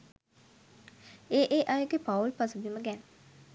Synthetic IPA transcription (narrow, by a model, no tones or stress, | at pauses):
eːʔeʔajəɡepaulpasubiməɡɛn